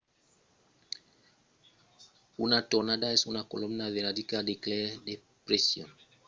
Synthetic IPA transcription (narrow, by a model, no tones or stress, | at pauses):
unatɔɾnadaɛsunakolɔmnaveɾadikadeklɛde | pɾesjɔ̰̃n